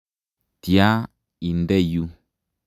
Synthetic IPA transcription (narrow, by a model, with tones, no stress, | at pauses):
ti˨a˦ | i˨ndɛ˦˨ju˦